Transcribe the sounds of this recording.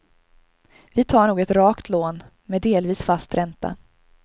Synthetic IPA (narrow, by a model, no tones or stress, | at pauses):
vɪt̪ʰɑːɳuːɡɛt̪ɾɑːkt̪ʰloːn | mɛd̪eːlviːsfast̪ɾɛnt̪a̰